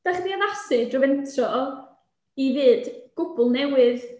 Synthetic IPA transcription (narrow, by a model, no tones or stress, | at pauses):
d̥aχdianasɨdrɔvɛntʰrɔ | ivɨːdɡ̥ʊbʊlˠnɛwɨð